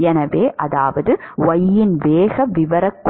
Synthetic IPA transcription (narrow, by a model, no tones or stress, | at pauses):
ɛnɐʋeːʔɐðaːʋɐðɯʋɐjːɪnʋeːɣɐʋɪʋɐɾɐkː